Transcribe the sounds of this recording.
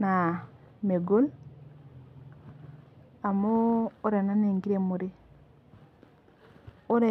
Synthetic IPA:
na˨ | me˨ɡo˦l | a˨moː˦ɾe˨na˦ne˨ŋɡi˦ɾe˨mo˨ɾi˦ | o˦ɾe˨

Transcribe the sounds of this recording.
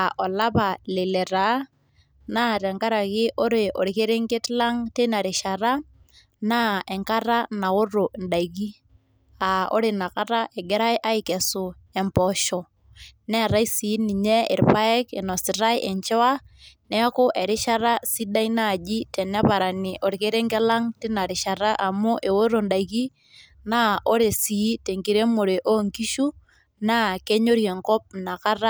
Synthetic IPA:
a˨ʔɔ˨la˦pa˨le˨lɛ˨ɾa˨˦ | na˦tɛ˨ŋka˦ɾa˨kɪ˦ʔo˦ɾe˨ʔo˨ɾi˨ke˦ɾe˦ŋɡe˦tla˦ŋte˦na˨ɾɪ˨ʃa˨ɾa˦ | na˦ɛ˨ŋka˦ɾa˦na˨ʊ˦ɾo˨nda˨iki˦ | a˨o̰˦ɾɪ˨na˨ka˦ɾa˦ʔɛ˨ɡɛ˦ɾa˦jʔa˦ɪ˦kɛ˨sʊ˨ | ɛ˨mpɔʃɔ˨ | nɛ˦˨ɾa˦i˦si˨˦ni˨ɲe˦ɪ̰˨ɾpa˦ɛ˦ke˨nɔ˨sɪ˨ɾa˦jʔɛ˨ɲt͡ʃɛ˦wa˦nɛ˦kʊ˦ʔe˨ɾɪ˦ʃa˦ɾa˦si˦da˦i˦na˦˨d͡ʒi˦tɛ˨nɛ˦pa˨ɾa˨ni˨ʔo˨ɾi˨ke˦ɾe˦ŋkɛ˦la˦ŋtɪ˦na˨ɾɪ˨ʃa˨ɾa˦ʔa˨mu˦ʔe˨wo˦ɾo˨nda˨iki˦ | na˦o˦ɾe˨si˨˦te˨ŋki˨ɾe˦mo˨ɾe˨ʔo˦ŋki˦ʃu˦ | na˦ke˦ɲo˦ɾje˨ŋkɔ˦p̚na˨ka˦ra˦

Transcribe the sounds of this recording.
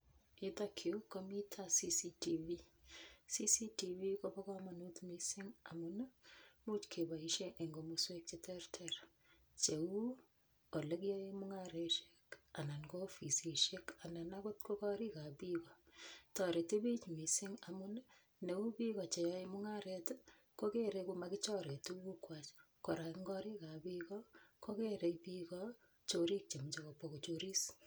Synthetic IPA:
ɪ˦ta˦kʰi˨u˦kɔ˦mi˦tʰa˦si˦sitivi | sisi˦tiwi˦kɔ˦bɔ˦ka˦ma˨nutmi˨sɪŋa̰˨mʊnmu˦t͡ʃkʰe˨ba˨iʃe˦ʔe˨ŋɡo˨muswe˦k̚t͡ʃe˦tɛ˦rtʰɛɾ | t͡ʃe˨u˦ | o˨le˦k̬jɔ˦e˦mʊ˦ŋaɾeʃe̥ka˨na˨nkɔ˦fi˨si˨ʃe˦ka˨na˨na˦ko˦tko˦kɔ˦ɾi˦ka˨pikɔ˨t͡ʃɔ˨ɾe˨te˦bi˦t͡ʃmi˨si˦ŋa˨mu˦n | ne˨u˦pi˦kɔ˨t͡ʃe˨jɔ˦emʊ˦ŋaɾet | ko˦ke˦ɾe˧kumakɪt͡ʃɔ˦ɾe˨tu˦ku˦kwa˨t͡ʃ | ko˨ɾa˨ki˦ŋɡɔ˦ɾi˦ka˨pikɔko˦ke˦ɾe˨jpikɔ | t͡ʃoɾi˦k̚t͡ʃe˨m˨t͡ʃe˨ko˨poko˨t͡ʃoɾi˦s

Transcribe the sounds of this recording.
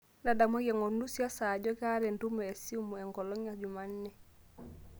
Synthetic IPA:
na˨da˨mo˦ɡe˨ŋo˨ndu˦si˦a˦sa˨ɟɔ˦ka˦ɾɛ˨ndu˦mee˨si˦mu˨e˨ŋɡɔ˨lɔ˦ŋad͡ʒu˨manːɛ˨

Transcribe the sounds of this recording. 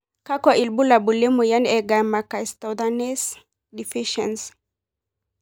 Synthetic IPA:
ka˦kwa˨ʔi˨lbu˦la˨bu˨lɛ˦mu˨ja˦nɛ˨ɡa˨ma˨ka˨ist̪ɔ˨danɛ˦s | di˨fi˦ʃɛ̰˨ns

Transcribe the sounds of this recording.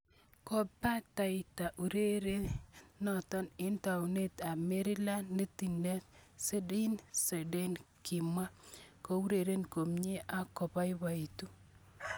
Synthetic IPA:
kɔ˦pa˦ta˨ɪta˨ʔu˨ɾe˦ɾe˦nɔ˨tɔ˦nɪ˦nta˨wne˦ta˨me˦ɾɪ˦la˦nːe˦ti˨ne˦tse˦di˦nse˨de˦nki˨mwa˦ko˦u˦ɾe˨ɾe˦nko˨mɲe˦ʔa˦kɔ˨pa˦jba˨i˨tu˦

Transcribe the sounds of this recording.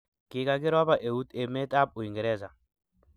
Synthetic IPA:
kɪ˨ka˨ɡɪ˦ɾɔ˦ba˨ʔe˨u˦t̪e˨me˦ta˦p̚u˨i˨ŋɡe˨ɾɛ˦za˨

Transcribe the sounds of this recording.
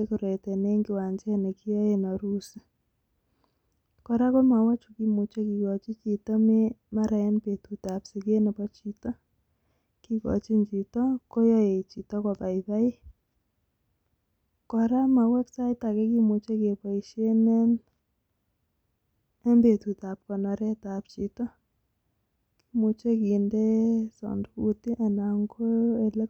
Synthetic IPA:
e˦ko˨ɾe˨tɛ˨ne˦ŋɡɪ˦wa˨ɲd͡ʒɛ˦nɛ˨kɪ˦jɔ˦je˨na˨ɾu˦si˦ | kɔ˨ɾa˦kɔ˦ma˨wa˦t͡ʃu˨ki˦mu˨t͡ʃe˦ki˨kɔ˨t͡ʃi˦t͡ʃi˨tɔ˦me˦ma˦ɾa˨ɛ˦npe˨tu˨ta˨psi˨ke˦nɛ˨pɔ˦t͡ʃi˨tɔ˦ | ki˦kɔ̰˨t͡ʃi˦ɲd͡ʒi˨tɔ˦kɔ˦jɔ˦je˨t͡ʃi˨tɔ˦kɔ˨pa˨ɪ˨ba˦i˦ | kɔ˨ɾa˦ma˨wɛ˦ksa˦ɪta˨kɛ˦ki˦mu˨t͡ʃe˦ke˨pa˨iʃe˦nɛ˦n | ɛ˦mbe˨t̪u˨ta˨p̚kɔ˨nɔ˨ɾɛ˦ta˨p̚t͡ʃi˨tɔ˦ | ki̥˦mu˨t͡ʃe˦kinde˦sɔ̰˨ndʊ˦ku˨ti˦ʔa˨na˨ŋɡo˦e˨lɛ˦

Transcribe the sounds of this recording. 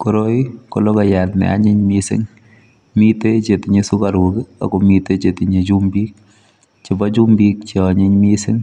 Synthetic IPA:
ko˨ɾo˦iko˨lo˦ka˨jatnɛ̰˨a̰˦ɲɪ˦ɲmisɪ̰˦ŋ | mi˦te˦t͡ʃe˨tɪ˨ɲe˦su˦ka˨ɾukɪ˦a̰˨ko˨mi˦te˦t͡ʃe˨tɪ˨ɲe˨d͡ʒu˦mbi˦k̚ | t͡ʃɪ˨bɔ˦t͡ʃu˦mbik̚t͡ʃi˨ɔɲɪ˦ɲmi˦sɪ˦ŋ

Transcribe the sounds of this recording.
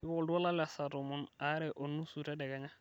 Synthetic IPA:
ɪ˦wɔldʊ˦a˦la˦la˨sa˨to˨mʊ˨na˨˦ɾɛ˨ʔo˨nːu˦su˨tɛ˦dɛ˨ɡa˨ɲa˦

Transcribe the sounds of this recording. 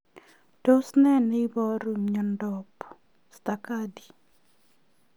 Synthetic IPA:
d̥o˦snɛ˦nɪ˦bɔ˦ɾu˨mɲɔ˨ndɔp | st̪aka˦di˨

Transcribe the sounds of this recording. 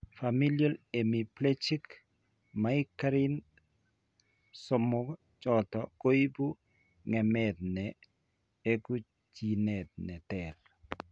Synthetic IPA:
fami˦lja˦le˨mi˨plet͡ʃi˦k | maikaɾin | sɔmɔ˦ | t͡ʃɔtɔko˦i˦bu˦ | ŋɛmɛd̪̚nɛ | e˦ɡu˦ | d͡ʒi˨nɛ˨d̪̚nɛ˨t̪ɛl

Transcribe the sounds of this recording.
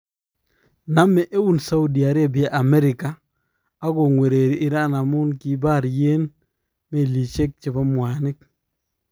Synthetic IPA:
na˦mɛ˦˨ʔe˦wu˦˨nsa˦ʊ˦di˨a˨ɾe˦bja˦ʔa˨mɛ˦ɾɪ˨kaː˨˦ | ɡo˨ŋwe˨ɾe˨ɾi˦ʔɪ˦ɾa˦na˨mʊ˦nki˨ba˦˨ɾje˦n | me˦˨li˨t͡ʃe˦k̚t͡ʃe˨ba˦mwa˨nɪ˦k̚

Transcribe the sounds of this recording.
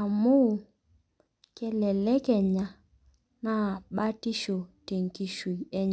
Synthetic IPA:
a˨mu˦˨ | kɛ˨lɛ˨lɛ˦kɛ˨ɲa˨ | na˦˨ɓa˦ti˦ʃɔ˨te˨ŋ˨ki˨ʃu˨i˨ɛ˦ɲ

